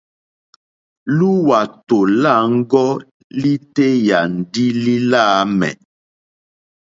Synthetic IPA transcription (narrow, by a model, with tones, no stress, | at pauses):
lu˦wa˨to˨la˦˨ŋ̩˦ɡɔ˦ | li˦te˦ja˨n̩˨di˦li˦la˦mɛ̰˨